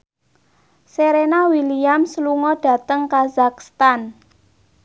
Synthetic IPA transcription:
seɾenawiliamsəluŋɔɖ̥ä̤t̪əŋkazakst̪an

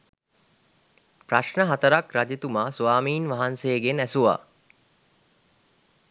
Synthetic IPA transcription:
praʃnəɦat̪əɾakɾad͡ʒit̪umaːsuʋaːmiːnʋaɦanseːɡenæsuʋa̰ː

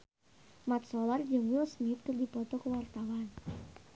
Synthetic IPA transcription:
mat̪̚sɔlard͡ʒuŋwilsmɪt̪̚kərdipɔt̪ɔkəwart̪awan

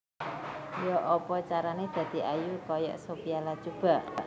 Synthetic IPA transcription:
jɔʔɔpɔt͡ʃaɾaned̪̥ä̤d̪̥i̤ajukɔjɔ̰ʔsopialat͡ʃub̥a̤ʔ

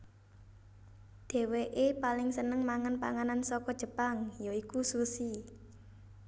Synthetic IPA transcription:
d̪̥e̤weʔepalɪŋsənəŋmaŋanpa̰ŋanansɔkɔd̥ʒ̥ə̤paŋjoikususi

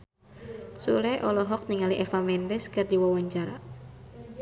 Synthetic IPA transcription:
sulɛʔɔlɔɦɔk̚niŋaliʔɛfamɛndɛskɨrdiwɔwaɲt͡ʃaɾa̰

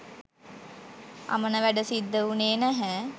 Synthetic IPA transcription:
a̰mənəʋæɖəsid̪ːəuneːnæɦæː

